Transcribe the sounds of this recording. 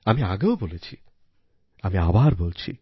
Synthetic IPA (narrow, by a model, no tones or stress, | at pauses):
ɐmiaɡɐʋboːlet͡ɕʰi | ɐmiaʋaːɾboːlt͡ɕʰḭ